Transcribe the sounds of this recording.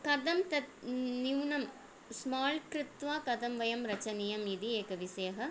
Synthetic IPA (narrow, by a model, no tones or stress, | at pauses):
kɐd̪ɐmt̪ɐniʋnɐm | smaːlkɾɪt̪ʋaːkɐd̪ɐmʋɐjɐmɾɐt͡ʃɐnijɐmid̪ieːkɐʋiseːɦɐ